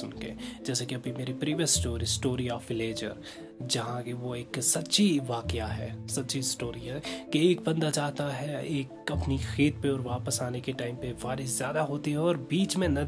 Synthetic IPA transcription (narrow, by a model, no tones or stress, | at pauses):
ʊnkḛd͡ʒɛːsekiɐbimeːɾipɾiːʋjəsːʈoːɾisʈoːɾiɔːfɪleːd͡ʒə̰ɾ | d͡ʒɐɦãkeʋoeːksɐtːʃiʋaːkɪaɦɛːsɐt̪ːʃisʈoːɾiɦɛkiːk̚bɐ̃nd̪ad͡ʒaːt̪aɦɛeːkɐpnixeːt̪peɔːɾʋaːpəsaːnekeʈaːɪmpebaːɾɪzjaːd̪aɦoːt̪iɦɛɔːɾbiːt͡ʃmẽnɐ